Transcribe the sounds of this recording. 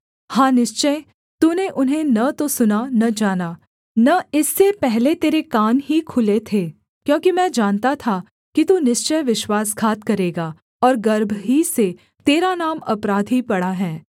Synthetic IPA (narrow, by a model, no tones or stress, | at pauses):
hãːnɪʃt͡ʃə | t̪uneʔʊnɦẽnɐt̪osʊnanɐd͡ʒaːnaː | nɐɪsːepɛɦlet̪eːɾekaːnɦikʰʊlet̪ʰeː | kjõːkimɛ̃ːd͡ʒaːnt̪at̪ʰa | kit̪unɪʃt͡ʃəjʋɪʃwaːsɡʰʱaːt̪kɐɾeːɡaː | ɔːɾɡɐɾbʱɦise | t̪eːɾanaːmɐpɾaːd̪ʱɦipɐɽaɦɛː